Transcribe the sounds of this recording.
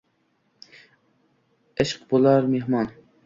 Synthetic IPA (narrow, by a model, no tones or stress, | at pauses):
eʃqbolˠɑɾmeɦmɑn